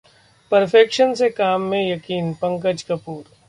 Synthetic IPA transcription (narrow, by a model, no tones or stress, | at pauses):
pɐɾfeːkʃənsekaːmːẽjɐkiːnpɐ̃ŋkəd͡ʒkɐpuːɾ